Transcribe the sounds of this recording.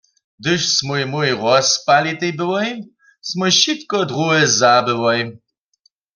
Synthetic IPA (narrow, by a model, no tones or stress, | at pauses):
d̪ɪʃsmujmujʁɔspalit̪ejbɪwɔj | smujɕit̪kɔd̪ʁuɛzabɨwɔj